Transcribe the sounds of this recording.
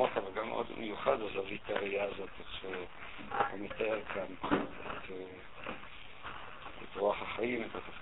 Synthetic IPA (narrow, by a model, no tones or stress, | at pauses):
otavalɡam̰ʔo̰d̪mʔejuχad̪azavitaʁiaːzo̞t̪eχʃe | o̰mit̪aeʁkʰanet̪ʰ | et̪ʁuaχaχaimet̪at̪a